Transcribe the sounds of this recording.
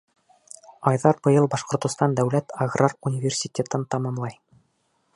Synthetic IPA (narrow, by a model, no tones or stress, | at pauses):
ɒjðɑɾbɤ̆jɤlˠbɑʃqŏɾt̪ŏst̪ɑnd̪æwlæt̪aɡrarunʲivʲersʲitʲet̪ɤnt̪ɑmɑmlˠɑj